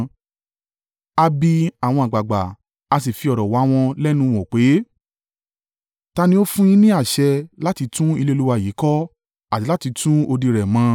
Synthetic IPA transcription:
a˧bi˧a˨w̃ɔ̃˧a˨ɡ͡ba˨ɡ͡ba˨ | a˧s̬i˨fi˧ɔ˨ɾɔ˨wa˨˦w̃ɔ̃˧lɛ˦nũ˦˨w̃ɔ̃˨k͡pe˨˦ | ta˧nĩ˦o˦fũ˦j̃ĩ˦nĩ˦a˦˨ʃɛ˧la˦ti˧˦tũ˦i˧le˦˧lu˦wa˧˨jiː˨˦kɔ˦ | a˨ti˨˦la˦ti˧tũ˦o˧di˧ɾɛ˨mã˨˦

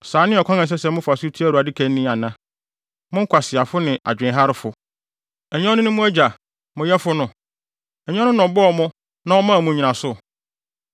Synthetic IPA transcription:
saː˨˦nɪ̃˦ɔ˨kʰã˦nã˨s̬ɛ˦sɛ˨˦m˦ʊ̃˦fa˨su˦tʰi˦æ˦ɾu˨a˨dɪ˦kʰæ̃˦nnːĩ˦a˨nã˦ | mʊ̃˦ŋ̩˦kʷʰa˨sɪ˨a˨fʊ˦nɪ̃˨ʔa̰˨d͡ʑᶣɪ̃˨˦ɦa˦ɾɪ˦fʊ˨ | ɛ˨ɲɔ̃˦nʊ̃˦nʊ̃˦mʊ̃˦æ˦d͡ʑa˨ | mʊ̃˨jɛ˦fʊ˦nʊ̃˨ | ɛ˨ɲ˦ɔ̃˦nʊ̃˦nɔ̃˨bɔ˦ɔ˨mʊ̃˦ | nã˦ɔ˦mã˦˨mʊ̃˦ɲi˨nã˨sʊ˦

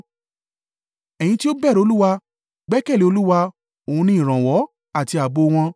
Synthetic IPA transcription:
ɛ˨j̃ĩ˧ti˦o˦bɛ˦˨ɾo˧˦lu˦wa˧ | ɡ͡bɛ˦kɛ˦˨le˨˦o˧lu˦wa˧ | o˨ũ˧nĩ˦ĩ˨ɾ̃ã˨wɔ˨˦ | a˦˨ti˧a˨bo˧w̃ɔ̃˧

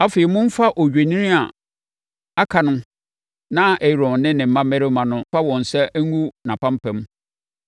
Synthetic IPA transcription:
a˦fe˨ɛ˨mʊ̃˦m̩˦fa˦ʔɔ˨ɥᶣe˨nĩ˦nĩ˦a˨ | a˦kʰa˨nʊ̃˦ | nã˦ʔɛ˨ɾɔ̃˨nɪ̃˦nɪ̃˨m̩˨˦mã˦mɛ˦ɾɪ˦mã˨nʊ̃˦fa˦wɔ̃˨n˨sɛ˦æ˦ŋ˦u˦nã˨pã˦mpʰɛ̃˨m

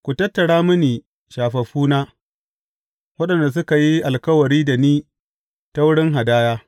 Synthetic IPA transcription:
kʷu˨tɐ˦tːɐ˨ɽaː˦mʊ˦niː˨ | ʃaː˨ɸɐ˨ɸuː˦naː˦ | wɐ˦ɗɐ˨nda˨s̬ʊ˦ka˨ji˦ʔa˨lkɐ˦wɐ˨ɽiː˦da˨niː˦ | ta˦wʊ˦ɽɪ˦ŋɦa˨daː˦jaː˦

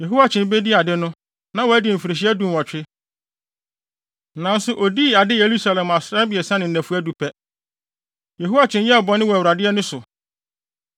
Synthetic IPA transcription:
je˨ɦu˦wa˨t͡ɕʰɪ̃˨n˦be˦di˦a˨dɪ˦nʊ̃˦ | nã˨˦wɔ˨æ˦dɪ˨m̩˨fi˨ɾɪ˨ɕ̬i˦ɛ˦dũ˨n˨wɔ˨t͡ɕᶣɪ˦ | nã˨n̩˦sʊ˨ʔo˨di˦˨a˨dɪ˦je˨ɾu˦sa˨lɛ̃˨ma˨sɾa˦bi˨ɛ˨sã˦nɪ̃˨næ̃˨fu˦æ˦du˨pʰɛ˦ | je˨ɦu˦a˦t͡ɕʰɪ̃˦n˦jɛ˦ɔ˨bɔ˨˦nɪ̃˦wɔ˨æ˨wa˨dɪ˦ɛ˦nʊ̃˦sʊ˨

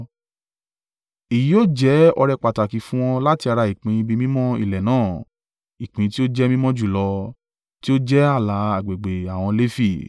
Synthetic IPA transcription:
i˨ji˨˦o˦˨d͡ʒɛ˨˦ɔ˧ɾɛ˧k͡pa˨ta˨ki˨fũ˦w̃ɔ̃˧la˦ti˧a˧ɾa˧i˨k͡pĩ˨˦ĩ˧bi˧mĩ˦mɔ̃˦ḭ˦˨lɛ˨nãː˦˨ | i˨k͡pĩ˨˧ti˦o˦d͡ʒɛ˦mĩ˦mɔ̃˦d͡ʒu˦˨lɔ˧ | ti˦o˦d͡ʒɛ˦a˦˨la˨˦a˨ɡ͡be˨ɡ͡be˨a˨w̃ɔ̃˧le˦fi˦˨

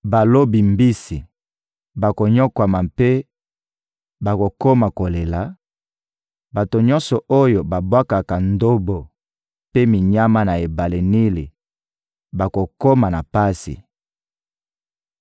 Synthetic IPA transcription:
ba˨lo˦bi˨mbi˦si˨ | ba˨ko˨ɲɔ˦kwa˨ma˨pe˦ | ba˨ko˨ko˦ma˨ko˨le˨la˨ | ba˨to˨ɲɔ̃˦nsɔ˨ʔo˦jo˨ba˨bwa˦ka˨ka˨ndo˦bo˨ | pe˦mi˨ɲa˦ma˦na˨e˨ba˨le˨ni˦li˨ | ba˨ko˨ko˦ma˨na˨pa˦sḭ˨

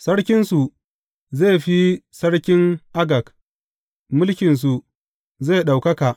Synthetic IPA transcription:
sɐ˦ɽkʲɪ˦nsu˨ | zeː˦˨ɸi˦sɐ˦ɽkʲɪ˦ŋʔa˦ɡɐ˨k | mʊ˦lkʲɪ˨ns̬u˨ | zeː˦˨ɗa˨wkɐ˦ka˨ʔ

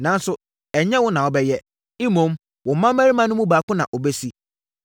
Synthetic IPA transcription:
nã˨n˦sʊ˨ | ɛ˨ɲɛ̃˦wʊ˦nã˨ɔ˨bɛ˦jɛ˦ | i˦mõ˨˦m | wɔ̃˨mã˦mæ˦ɾi˦mã˦nʊ̃˦mũ˦baː˨kʊ̃˦nã˨ʔɔ˨be˦si˦

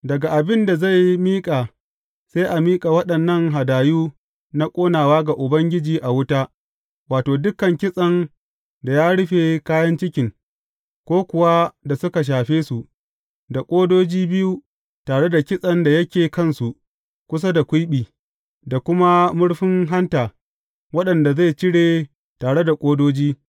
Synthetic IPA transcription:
dɐ˨ɡa˨ʔa˨bɪ˦nda˨za˦˨jmiː˦kʼaː˨ | sa˦jʔa˨miː˦kʼa˨wɐ˦ɗɐ˨nːɐ˦˨ŋɦa˨daː˨juː˦ | na˦kʷʼoː˦naː˨waː˦ɡa˨ʔʊ˨bɐ˦ŋɡʲɪ˦d͡ʒiː˨ʔa˨wʊ˦ta˦ | waː˨toː˨dʊ˦kɐ˨ŋkʲɪ˦sʼɐ˨n | da˨jaː˦ɽʊ˦ɸeː˨kaː˦jɐ˦nt͡ʃɪ˦kʲɪ˨ŋ | kʷoː˦kʷʊ˨wa˦da˨sʊ˦ka˨ʃ̬aː˨ɸeː˦su˨ʔ | da˨kʷʼoː˦doː˦d͡ʒiː˦bɪ˦ju˦ | taː˨ɽe˦da˨kʲɪ˦sʼɐ˦nda˨jɐ˦kʲeː˨kɐ˦˨nsu˨ | kʷʊ˦s̬a˦da˨kʷʊ˦jɓiː˨ | da˨kʷʊ˦ma˦mʊ˦ɽɸɪ˦ŋɦa˦ntaː˨ | wɐ˦ɗɐ˨nda˨za˦˨jt͡ʃɪ˦ɽeː˨ | taː˨ɽe˦da˨kʷʼoː˦doː˦d͡ʒiː˦

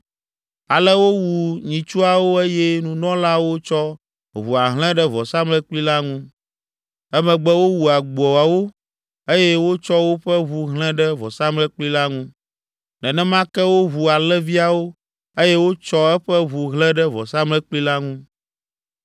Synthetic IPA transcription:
a˨lɛ˦wo˦wu˨ɲĩ˨t͡ʃu˦a˨wo˦e˦jɛ˦nũ˨nɔ̃˦la˦wo˦t͡ʃɔ˦ | βu˨a˨ɦl̃ɛ̃˦ɖɛ˦vɔ˨sa˦mlɛ˦k͡pli˦la˦ŋũ˦ | ɛ˦mɛ̃˨ɡ͡bɛ˦wo˦wu˨a˨ɡ͡bɔ˨a˨wo˦ | e˦jɛ˦wo˦t͡ʃɔ˦wo˦ɸɛ˦βu˨ɦlɛ̃˦ɖɛ˦vɔ˨sa˦mlɛ˦k͡pli˦la˦ŋũ˦ | nɛ̃˨nɛ̃˦mã˦kɛ˦wo˦βu˨a˨lɛ˦vi˦a˨wo˦ | e˦jɛ˦wo˦t͡ʃɔ˦ɛ˦ɸɛ˦βu˨ɦlɛ̃˦ɖɛ˦vɔ˨sa˦mlɛ˦k͡pli˦la˦ŋũ˦

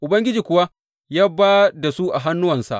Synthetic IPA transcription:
ʔʊ˨bɐ˦ŋɡʲɪ˦d͡ʒiː˨kʷʊ˨wa˦ | jaː˦baː˦da˨su˦ʔa˨ɦa˦nːʊ˦wɐ˨nsa̰˨ʔ

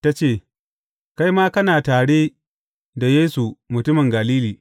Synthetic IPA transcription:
ta˦t͡ʃeː˦˨ | ka˦jmaː˦kɐ˦naː˨taː˨ɽe˦ | da˨jeː˦su˨mʊ˨tʊ˦mɪ˨ŋɡa˨liː˦liː˨

